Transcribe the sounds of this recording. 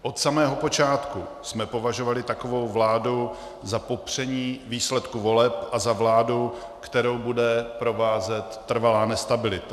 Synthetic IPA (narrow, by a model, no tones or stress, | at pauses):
ʔo̞t̪samɛːɦo̞po̞t͡ʃaːt̪ku | smɛpo̞vaʒo̞valɪt̪ako̞vo̞wvlaːdu | zapo̞pr̝̥ɛɲiːviːslɛt̪kuvo̞lɛpʔazavlaːdu | kt̪ɛɾo̞wbudɛpɾo̞vaːzɛt̪ːr̩valaːnɛst̪abɪlɪt̪ḁ